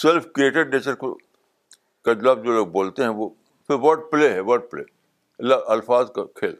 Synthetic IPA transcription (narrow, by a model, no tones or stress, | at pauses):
sɛlfkɾieːʈeɖneːt͡ʃəɾk | kad͡ʒlaːbd͡ʒoːloːɡ̚boːlt̪eɦɛ̃ʋo | fɪɾʋɐʈ̚pleːɦɛʋɐʈ̚plḛː | ɐlːaʔɐlfaːzkakʰeːl